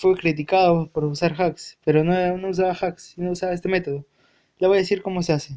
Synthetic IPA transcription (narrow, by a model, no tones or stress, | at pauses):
fwekɾit̪̬ikaðopoɾusaɾxakspe̞ɾo̞nonous̬aβaxaksinousaβaest̪e̞me̞t̪o̞ðo | leβojaðesiɾko̞mo̞se̞ase